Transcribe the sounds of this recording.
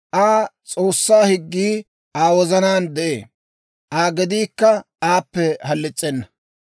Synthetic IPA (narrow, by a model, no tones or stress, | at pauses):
ʔaːt͡sʼo̞ːsːaːhɪɡːiː | ʔaːwɔzɐnaːnd̪ɛʔḛː | ʔaːɡɪd̪iːkːɐ | aːpːɛhɐlːɪt͡sʼːɛnːɐ̥